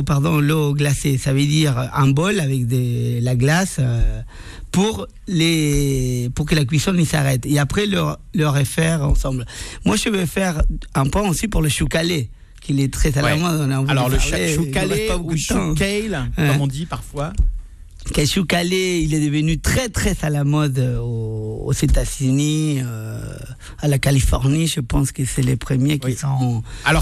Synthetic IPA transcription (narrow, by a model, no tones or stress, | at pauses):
paʁd̪ɔ̃lɔɡlasesavəd̪iʁɛ̃bɔlavɛkd̪əlaɡlasø | puʁ | le | puʁkəlak̬ɥisɔ̃nisa̰ʁɛt̪eapχɛlɔlɔʁɛfɛʁɑ̰̃sɑ̃blmwaʒəvøfɛʁɛ̃pɛ̃osipuʁləʃukale | kilɛt̪χɛzalamɔd̪ɔ̃neɑ̃vilɔʁleukapabokud̪ət̪ɑ̃ɛlwɛmɔ̃d̪ipaʁfwa | kɛʃukaleilɛd̪əvənyt̪χɛt̪χɛzalamɔd̪oo̰z̥et̪azyniø | alakalifɔʁniʒəpɑ̃skəsɛlepχəmjekisɔ̃alɔ